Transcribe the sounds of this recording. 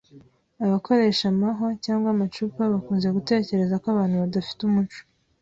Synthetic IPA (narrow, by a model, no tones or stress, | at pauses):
aβakʰo̞ɾe̞ːʃamaɦocaːŋɡwamat͡ʃuːpaβakuːnze̞ɡute̞ːce̞ɾe̞zakoaβaːn̥huβadafi̥tumut͡ʃo̥